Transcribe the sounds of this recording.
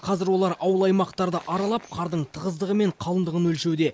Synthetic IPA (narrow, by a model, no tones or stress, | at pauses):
qʰɑzɪɾwo̞lˠɑɾʔɑwəlˠɑjmɑqt̪ɑɾd̪əʔɑɾɑlˠɑp̚qʰɑɾd̪əɴt̪ʰəʁəzd̪əʁəme̞ɴqʰɑlˠənd̪əʁənwɵlʃe̞wd̪e̞